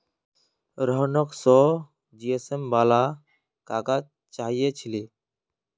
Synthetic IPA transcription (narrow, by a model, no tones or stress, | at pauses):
ɾəɦnoksɔː | d͡ʒiːesembaːlaː | kaːkaː | t͡ʃaːɦijeːt͡ʃʰileː